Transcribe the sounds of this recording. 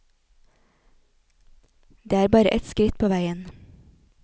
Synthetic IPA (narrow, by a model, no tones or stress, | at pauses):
d̪eːæːɾbɑːɾə̰ʔɛt̪skɾɪt̪̚pʰoːʋæɪən